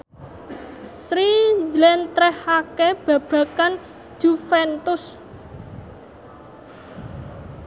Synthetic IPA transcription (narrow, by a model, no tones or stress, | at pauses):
sɾid͡ʒlɛnt̪ɾɛhakeb̥ä̤b̥ä̤kan | d͡ʒ̥ufɛnt̪ʊs